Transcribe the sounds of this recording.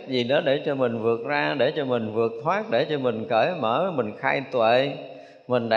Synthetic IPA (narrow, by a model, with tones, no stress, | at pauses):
k̚zi˨˩ɗɔ˨˦ɗe˧˩t͡ɕɔ˧mï˨˩ŋ̟vɨ˨˩ək̚zaː˧ɗe˧˩t͡ɕɔ˧mï˨˩ŋ̟vɨ˨˩ək̚t̪ʰwaː˦˥k̚ɗe˧˩t͡ɕɔ˧mï˨˩ŋ̟kəː˧˩jməː˧˩˨mï˨˩ŋ̟xaː˧jt̪wḛ˧˨ | mï˨˩ŋ̟ɗa˧